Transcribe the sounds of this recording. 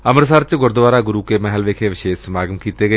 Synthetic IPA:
əməɾsəɾt͡ʃɡʊɾd̪əʋaːɾaːɡʊɾuːkeːmɛɦəlʋeːkʰeːʋɪʃeːʃəmaːɡəmkiːt̪eːɡəeː

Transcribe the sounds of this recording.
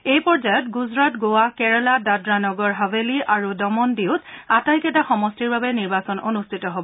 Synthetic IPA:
ejpɔɹd͡ʒajɔtɡuzɹatɡowakɛɹɔladadɹanɔɡɔɹɦaveliʔaɹudɔmɔndiʊtatajkɛtaxɔmɔstiɹbabɛniɹbasɔnonustʰitɔɦobɔ

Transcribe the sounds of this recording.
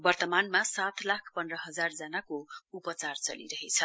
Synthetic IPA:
bʌrt̪ʌmanmasat̪lakʰpʌndrʌɦʌd͡zard͡zʌnakoupʌt͡sart͡sʌ̰lḭɾʌɦet͡sʰʌ

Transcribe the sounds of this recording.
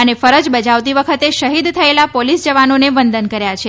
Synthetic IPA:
ənefəɾəd͡ʒbəd͡ʒaʋt̪iʋəkʰət̪eʃəɦid̪t̪ʰəelapolisd͡ʒəʋanoneʋənd̪ənkəɾjat͡ʃʰe

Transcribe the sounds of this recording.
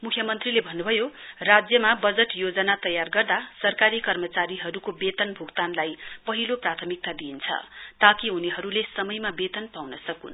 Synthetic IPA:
mukʰjʌmʌnt̪rilebʱʌnːubʱʌjorad͡zjʌmabʌd͡zeʈjod͡zʌnat̪ʌjarɡʌrd̪asʌrkaɾikʌrmʌt͡saɾiɦʌɾukobet̪ʌnbʱukt̪anlajpʌɦiloprat̪ʰʌmik̚t̪ad̪int͡sʰʌ̰t̪akiɦuneɦʌɾulesʌmʌjmabet̪ʌnpawnʌsʌkṵn

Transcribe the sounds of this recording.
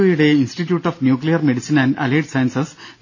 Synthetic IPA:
ojuɽe̞insʈiʈjuːʈːaːfnjuːklijɐrmeɽisinæ̃nɖɐ̰leːʈsɐjɐnsɐs | ʋ

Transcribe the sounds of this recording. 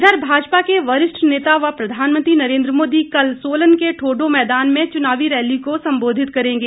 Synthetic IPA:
d̪əɾbʱaːd͡ʒpakeʋɐɾɪʃʈʰneːt̪aʋapɾɐd̪ʱaːnmə̃nt̪ɾinɐɾẽːnd̪ɾəmoːd̪ikɐlsoːlənkeʈʰoːɖomɛːd̪aːnmẽt͡ʃʊnaːʋiɾɛːlikosɐ̃mboːd̪ʱɪt̪kɐɾẽːŋɡeː

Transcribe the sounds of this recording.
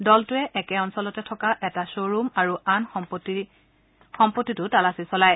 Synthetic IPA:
dɔltʊɛʔɛkɛɔnsɔlɔtɛtʰɔkaʔɛtasoɹumaɹuanɔpti | xɔmpotːitʊtalasisɔlaj

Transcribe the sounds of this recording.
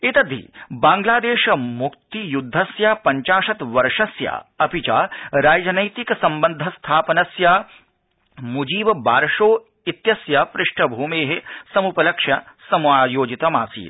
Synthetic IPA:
it̪ɐd̪ʱḭːbãːŋɡlaːd̪eːʃmʊkt̪ijud̪ʱːɐsjaːpɐɲt͡ʃaːʃɐt̪ʋɐɾʂɐsja̰ːɐpit͡ʃa̰ːɾaːd͡ʒɐnɐjt̪iksɐ̃mbɐnd̪ʱɐst̪ʰaːpɐnɐsjaː | mud͡ʒiːbbaːɾʃoː | it̪jɐsjaːpɾɪʂʈʰɐbʱuːmeːɦesɐmupɐlɐkʃjɐsɐmuaːjoːd͡ʒit̪ɐmaːsḭːt̪

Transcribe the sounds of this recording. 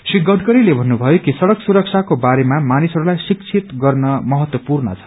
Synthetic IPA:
siɡʌʈkʌɾilebʱʌnːubʱʌjokisʌɽʌksuɾʌk̚t͡sʰakobaɾemamanisʌɾulajsik̚t͡sʰit̪ɡʌrnʌmʌɦʌt̪wʌpurnʌ̰t͡sʰʌ̥

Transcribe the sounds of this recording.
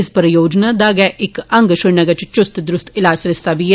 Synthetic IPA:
ɪspəɾjoːd͡ʒnad̪aɡɛʔɪkɐ̃ŋɡʃʊɽnɐɡɐt͡ʃt͡ʃʊst̪d̪ɾʊst̪ʰɪlaːsɾɪst̪abʱie

